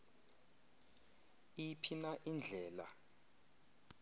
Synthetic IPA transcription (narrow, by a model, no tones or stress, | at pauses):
ijipʰinaʔind͡ɮʱɛːla̰